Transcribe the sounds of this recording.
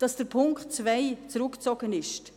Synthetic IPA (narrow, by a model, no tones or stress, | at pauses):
d̥ɑsd̥əɾpʰʊŋktt͡svaɪt͡sɾʊkt͡sɔɡənɪʃt